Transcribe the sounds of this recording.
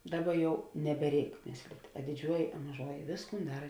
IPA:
ˈdɑːˌbɐ ˈjɛʊ nʲɛbʲɛˈrʲɛɪk ˈmʲeːsʲlʲɪtʲ ɐ dʲɪˈd͡ʒʲuɔjɪ ɐ mɐˈʒuɔjɪ ˈʋʲeːsˌkuːn ˈdɑːrɐ

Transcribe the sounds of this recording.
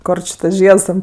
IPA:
ˈkoːr t͡ʃʲɪ tɐs ˈʒʲiɛts tʲɛn

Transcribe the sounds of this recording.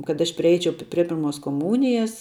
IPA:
kɐt ˈɐʃ pʲrʲɪˈɛɪt͡ʃʲɛʊ pʲrʲiɛ ˈpʲɪrmoːs koːˈmuːnʲɪjɛs

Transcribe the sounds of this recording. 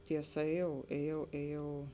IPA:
tʲiɛˈsɐ eːˈjɛʊ eːˈjɛʊ eːˈjɛʊ

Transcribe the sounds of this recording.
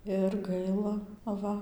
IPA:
ɪr ˈɡɐɪlˠɐ ɐˈʋɐ

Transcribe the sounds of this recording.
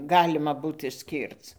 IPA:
ˈɡɑːlʲɪmɐ ˈbuːt ɪʃʲˈsʲkʲiːrt͡s

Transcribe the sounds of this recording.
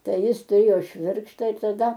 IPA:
ˈtɐɪ ˈjɪs tʊˈrʲeːjoː ˈʃʲʋʲɪrkʃtɑː ɪr tɐˈdɐ

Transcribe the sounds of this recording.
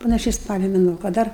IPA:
pɐnɐˈʃʲɛɪ ˈspɑːlʲoː mʲɛˈnuɔ kɐ ˈdɐr

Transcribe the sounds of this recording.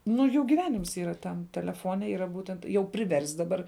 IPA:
ˈnʊ ˈjuː ɡʲiːˈʋʲæːnʲɪms ˈiːrɐ ˈtɐm tʲɛlʲɛˈfoːnʲɛ ˈiːrɐ ˈbuːtʲɛnt jɛʊ pʲrʲɪˈʋʲɛrʲsʲtʲ dɐˈbɐr

